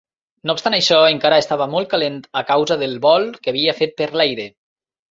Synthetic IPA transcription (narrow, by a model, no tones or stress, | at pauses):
noupst̪anəjʃɔeŋkaɾəest̪aβ̞əmolˠt̪̚kalent̪əkawzəðəlˠβɔlˠkəaːβiafet̪̚pəɾlɛjɾe